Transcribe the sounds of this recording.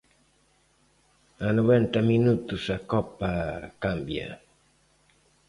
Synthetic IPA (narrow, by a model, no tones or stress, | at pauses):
anoβent̪ɐminut̪usakɔpakambjɐ̰